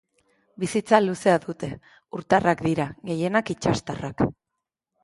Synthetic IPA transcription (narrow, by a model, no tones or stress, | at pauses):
bisit͡saluse̞aðut̪e̞ | uɾt̪arakd̪iɾaɣe̞je̞nakit͡ʃast̪arak